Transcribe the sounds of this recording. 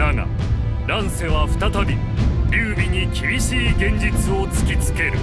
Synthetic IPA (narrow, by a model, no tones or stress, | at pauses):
aŋa̰ | ɾãɰ̃se̞βaɸɯ̟̥t̪at̪abʲi | ɨːbʲiɲ̟ikʲibʲiɕiːɡẽ̞ɲ̟d͡ʑit͡sɨo̞t͡sɨ̥kʲit͡sɨ̥ke̞ɾɯ̟